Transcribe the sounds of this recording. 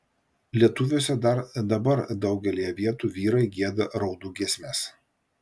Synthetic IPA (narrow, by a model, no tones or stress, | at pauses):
lʲiɛt̪ʊʋʲosʲɛd̪ɐɾd̪ɐbɐɾd̪ɒʊɡʲɛlʲiːjɛʋʲiɛt̪uːʋʲiːɾɐɪɡʲiɛd̪ɐɾɐʊd̪uːɡʲiɛsʲmʲeːs